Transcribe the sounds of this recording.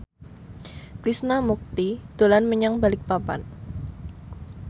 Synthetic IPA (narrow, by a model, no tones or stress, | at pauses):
kɾisnamuk̚t̪id̪̥o̤lanməɲaŋbalɪk̚papa̰n